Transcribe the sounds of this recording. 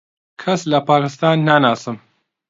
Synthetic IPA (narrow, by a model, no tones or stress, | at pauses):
kʰɐslɐpaːkɨst̪aːnːanaːsɨm